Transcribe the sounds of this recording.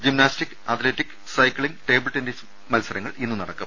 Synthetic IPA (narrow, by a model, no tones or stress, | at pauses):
d͡ʑimnaːstikːɨɐt̪ʰleːtːikː | sɐjkɭiŋɡʈe̞ːbɨɭʈindes | mɐlsɐɾɐŋːɐɭʔinːunɐɽɐkːum